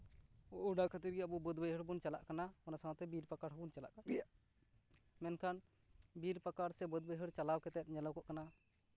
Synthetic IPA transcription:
ɔʔuɖakʰat̪iɾɡjabubɔd̪bəjɦəɾbunt͡ʃala̰ʔkanamɔnasawt̪ɛbiɾpəkaɾɦbunt͡ʃala̰ʔka | mɛnkʰan | biɾpakaɾsɛbɔd̪̚bəjɦəɽt͡ʃalawkɛt̪ɛʈ̚ɲɛlɔwkɔʔkana

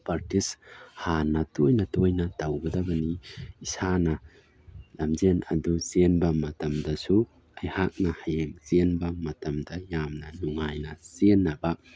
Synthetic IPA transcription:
pɐɾtishanɐtojnɐtojnɐtɐwɡɐdɐbɐniisanɐ | lɐmzenɐ̰duzenbɐmɐtɐmdɐsu | ɐjhak̚nɐhɐjeŋzenbɐmɐtɐmdɐjamnɐnuŋːajnɐsenːɐbɐ

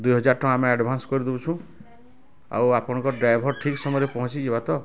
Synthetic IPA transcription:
d̪ujɦʌd͡zaɾʈɔ̃amiaɖbʱanskʌɾid̪ebut͡sʰũ | a̰wapʰɔñkɔɖɾajbʱɔɾʈʰiksɔmɔɾepɔɦɔ̃t͡sʰiebat̪ʌ

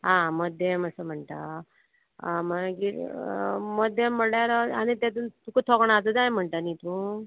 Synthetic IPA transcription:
ɦãməd̪ʱjeməsəm̤əɳʈ̪a̰ | məɡiɾ | məd̪ʱjemːəɳjaɾaanit̪ɛt̪̬unt̪ukət̪ʰɔkɳad͡zəd͡zajm̤əɳʈ̪anit̪ũ

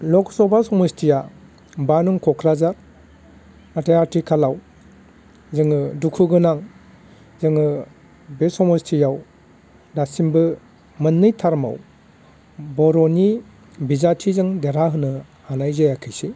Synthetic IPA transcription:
lɔksɔbasɔmɯstʰija | banuŋkʰɔkʰɾazaɾ | atejatɾikʰalaw | zɯŋɯdukʰɯɡɯnaŋ | zɯŋɯ | besɔmɔstʰijaw | dasimbɯ | mɯnːɯjtʰaɾma̰w | bɔɾɔni | bizatʰizɯŋdeɾaɦɯnɯ | anajzajakʰɯjsi

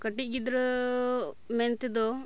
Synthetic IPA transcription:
kɐʈːiɡid̪ɾɐ | ment̪id̪o

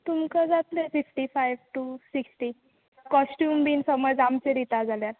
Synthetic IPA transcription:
t̪umkəd͡zat̪lefifʈifajʋʈusiksʈi | kɔsʈjuːmbiːnsəməd͡zamt͡seɾit̪ad͡zaljaɾ

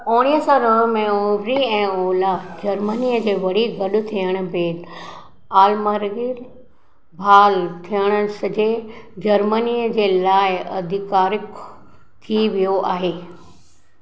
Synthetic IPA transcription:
oːɽ̃iəsãɾɐɦmẽoːbɾiɛ̃ːoːlad͡ʑɐɾməniəd͡ʑeːʋɐɽ̤iɡɐɗʊ̆t̪ʰijəɽ̃ʊ̆bʱeːd | aːlməɾɡiɾ | bʱaːlt̪ʰijəɽ̃əsɐd͡ʑed͡ʑɐɾməniəd͡ʑeːlaːɪɐ̰d̪ʱɪkaːɾɪk | t̪ʰiʋijoʔaːɦeː

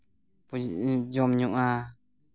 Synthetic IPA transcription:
pud͡ʒɔmɲuʔa

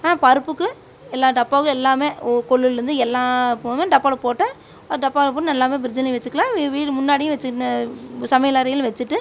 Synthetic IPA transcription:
aːpɐɾɯpːɯkːɯ | ɛlːaːɖɐpːaːɣɐlɛlːaːmeːkɔɭːɯlɛɾɯnd̪ɯɛlːãːpomẽɖɐpːaːlɐpoːʈːɛ̃ | ɐɖɐpːaːɣlɐpoːʈːɯnɛlːaːmeːbɪɾɪd͡ʒɪnɪʋɛt͡ʃːɯkːɐlãːʋiːɽmʊnːaːɽɪjʊ̃ʋɛt͡ʃːɯʈːsɐmɐjɐlaːɾɐjɪlʋɛt͡ʃːɯʈːɯ

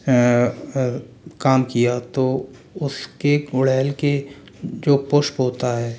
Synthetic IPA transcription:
kaːmkijat̪o | ʊskeɡʊɽɛːlke | d͡ʒoːpʊʃpɦoːt̪aɦɛː

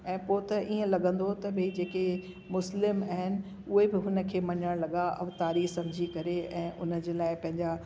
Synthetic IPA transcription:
ɛ̃ːpoːt̪ɐʔiːə̃lɐɠə̃n̆d̪ʱot̪ɐbɪd͡ʑeːke | mʊslɪmaɦɪnɪ̆ | ʊɦebɪɦʊnə̆kʰeːmɐɲəɽ̃lɐɠaɐʋt̪aːɾiːsɐ̃md͡ʑʱikɐɾeɛ̃ːʔʊnə̆d͡ʑeːlaːɪpɐ̃ɦɪ̃ɲd͡ʑa

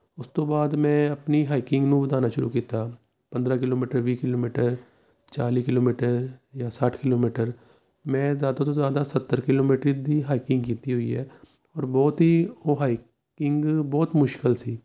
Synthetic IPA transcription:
ʊst̪obaːd̪mɛ̃ɐpniɦaːɪkɪ̃ŋɡnũbəd̪aːnaʃʊɾṵkiːt̪a | pɐ̃nd̪ɾakɪloːmiːʈəɾʋiːkɪloːmiːʈəɾ | t͡ʃaːlikɪloːmiːʈəɾjasaːʈʰkɪloːmiːʈəɾ | mɛ̃zjaːd̪at̪̬ozjaːd̪asɐt̪ːəɾkɪloːmiːʈɾid̪ʱiɦaːɪkɪ̃ŋɡkiːt̪iɦʊḭɦɛː | ɔːɾbɔːt̪ɦioɦaːɪ | kɪ̃ŋɡbɔːt̪mʊʃkɪlsiː

